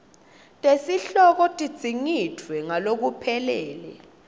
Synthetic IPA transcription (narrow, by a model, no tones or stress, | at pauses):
tʼesiɬɔk̬ɔtʼid̥z̥ʱiŋitʰwɛŋalok̬upʰɛlɛːlɛ̰